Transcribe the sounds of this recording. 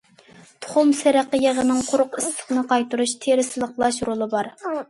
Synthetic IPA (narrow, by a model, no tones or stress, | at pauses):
t̪ʰʊ̥χʊmseɾæqəjeʁənɨŋqʰʊɾʊqɪst̪ʰə̥χnɨqɑjt̪uɾuʃt̪ʰeɾɪsɨlˠəqlˠɑʃɾolˠɨbɑɾ